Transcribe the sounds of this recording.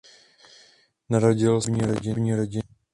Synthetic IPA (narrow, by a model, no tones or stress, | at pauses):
naɾaɟɪlvɲiɾoɟɪvɲiɾoɟɪ